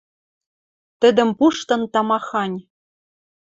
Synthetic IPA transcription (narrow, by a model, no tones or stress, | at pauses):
t̪ɘ̆d̪ɘ̆mpuʂt̪ɤ̆nt̪ɑmɑχɑnʲ